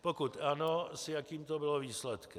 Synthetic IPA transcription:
pokut̪ʔanosjakiːmt̪obɪloviːslɛt̪kɛ

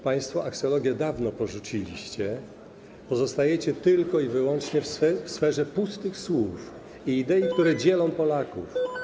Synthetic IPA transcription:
paj̃st̪fɔʔaksɔlɔɡʲjɛd̪avnɔpɔʐut͡ɕilʲḭɕt͡ɕɛ | pɔzɔst̪ajɛt͡ɕɛt̪ɘlkɔivɘwɔnt͡ʂɲɛfsfɛfsfɛʐɛpust̪ɘxswuf | iːd̪ɛik̚t̪uɾɛd͡ʑɛlɔ̃w̃pɔlakṵf

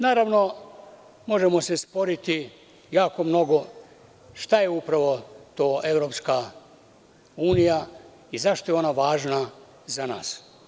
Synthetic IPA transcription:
naːɾaʋno̞ | mo̞ʒe̞mo̞se̞spo̞ɾit̪i | jaːkomno̞ɡo̞ | ʃt̪ajeupɾaʋo̞t̪oːʔe̞ʋɾo̞ːpska | uːnija | izaʃt̪ojeo̞naʋaːʒna | zana̰ːs

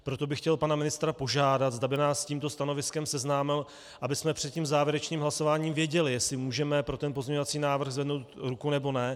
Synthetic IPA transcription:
pɾo̞t̪o̞bɪxcɛlpanamɪnɪst̪ɾapo̞ʒaːdat̪zdabɪnaːsːciːmt̪o̞st̪ano̞vɪskɛmsɛznaːmɪl | ʔabɪsmɛpr̥ɛt̪̚ciːmzaːvjɛɾɛt͡ʃniːmɦlaso̞vaːɲiːmvjɛɟɛlɪjɛsɪmuːʒɛmɛpɾo̞t̪ɛnpo̞zɲɲovat͡siːnaːvr̩ɣzvɛdno̞wt̪ɾukunɛbo̞nɛ

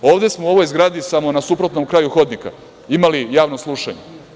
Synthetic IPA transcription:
o̞ːʋd̪esmo̞uo̞ʋo̞jzɡɾaːd̪isamo̞nasupɾo̞t̪no̞mkɾaːjuxo̞d̪nika̰ | imalijaːʋnoslˠuʃa̰ɲe

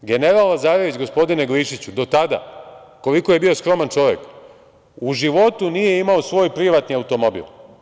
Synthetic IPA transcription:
ɡe̞neɾalazaːɾoʋit͡ɕɡo̞spo̞d̪ine̞ɡliʃit͡ɕud̪o̞t̪ad̪a̰ko̞liko̞je̞bio̞skɾo̞mant͡ʃo̞ʋjek | uʒiʋo̞t̪unije̞imaosʋo̞ːjpɾiʋat̪niawt̪o̞mo̞bḭl

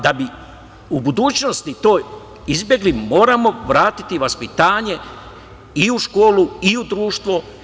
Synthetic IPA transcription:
d̪abi | ubud̪uːt͡ɕno̞st̪it̪o̞ːj | izbje̞ɡlimo̞ːɾamo̞ʋɾaːt̪i̥t̪iʋaspit̪aːɲe̞ | iuʃkoːluiud̪ɾuːʃt̪ʋo

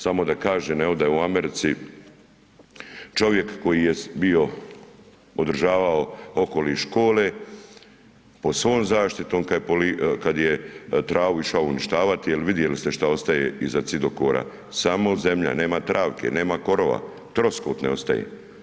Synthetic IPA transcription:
samo̞d̪akaːʒeneod̪ajeuame̞ɾit̪si | t͡ʃo̞ʋje̞kːo̞jijebio̞ | od̪r̩ʒaːʋaoo̞ko̞liʃko̞ːle | po̞sʋo̞ːmzaːʃt̪it̪o̞ːmkapolikad̪jet̪ɾaːʋuiʃaouniʃt̪aːʋat̪ijelʋid̪je̞list̪eʃt̪ao̞st̪ajeizat̪sid̪o̞ko̰ːɾʔa̰ | samoze̞mʎa̰ne̞ːmat̪ɾʔaːʋkʰe̞̰ne̞ːmako̞ɾo̞ʋa̰ | t̪ɾo̞skot̪neo̞st̪a̰jḛ

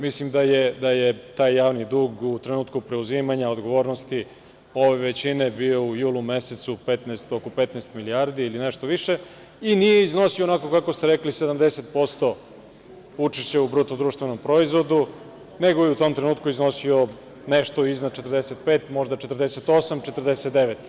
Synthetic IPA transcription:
mislimd̪ajed̪ajet̪aːjːaːʋnid̪uːɡut̪ɾenuːt̪kupɾe̞uzimaɲaod̪ɡoʋo̞ːɾnost̪i | o̞ʋeʋet͡ɕinebio̞ujuːlˠumeset̪supet̪neːst̪o̞kope̞t̪neːst̪miliaɾd̪iilineʃt̪o̞ʋiʃe̞ | inije̞izno̞sionako̞kakost̪eɾeklised̪amd̪eset̪̚po̞st̪o̞ | ut͡ʃiʃt͡ɕeubɾut̪od̪ɾuːʃt̪ʋeno̞mpɾoizʋo̞d̪u | ne̞ɡojeut̪o̞mt̪ɾenuːt̪kuizno̞sio | neʃt̪oiznad̪̚t͡ʃet̪ərd̪eset̪̚peːt̪mo̞ʒd̪at͡ʃet̪ərd̪eset̪o̞samt͡ʃet̪rd̪eset̪d̪eʋet̪

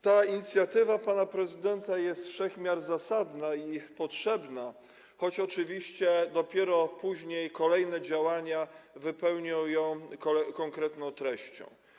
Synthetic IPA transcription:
t̪aiɲit̪sʲjat̪ɘvapanapɾɛzɘd̪ɛnt̪ajɛst̪fʂɛxmʲjaɾzasad̪naipɔtʂɛbna | xɔt͡ɕɔt͡ʂɘvʲiɕt͡ɕɛd̪ɔpʲjɛɾɔpuʑɲejkɔlɛjnɛd͡ʑawaɲavɘpɛwɲɔ̃w̃jɔ̃w̃kɔkɔŋkɾɛt̪nɔ̃w̃t̪ɾɛɕt͡ɕɔ̰̃w̃

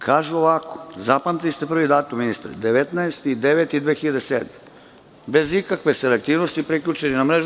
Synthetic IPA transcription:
kʰaːʒuoʋako̥zapamt̪ilist̪e̞pr̩ʋid̪aːt̪uminist̪a̰ɾd̪eʋet̪naest̪id̪eʋet̪id̪ʋeːxiʎad̪eseːd̪me | be̞zikakʋeselek̚t̪iːʋnost̪ipɾikʎut͡ʃeninamɾeʒ

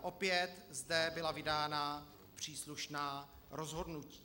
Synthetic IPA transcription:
ʔo̞pjɛt̪zdɛbɪlavɪdaːna | pr̝̥iːsluʃnaː | ɾo̞zɦo̞dnuci̥ː

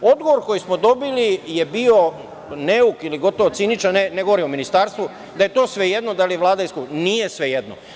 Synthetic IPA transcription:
o̞d̪ɡoʋoɾko̞jismo̞d̪o̞bilije̞bio̞ | neukiliɡo̞t̪oʋot̪sinit͡ʃaneneɡo̞ʋoɾiominist̪aːɾst̪ʋu | d̪aje̞t̪o̞ːsʋe̞je̞d̪nod̪alijeʋlˠaːd̪ajskunijesʋe̞je̞d̪no

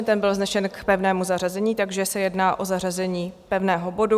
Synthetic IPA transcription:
nt̪ɛmbɪlznɛʃɛnkpɛvnɛːmuzar̝azɛɲiːt̪aɡʒɛsɛjɛdnaːʔo̞zar̝azɛɲiːpɛvnɛːɦo̞bo̞du

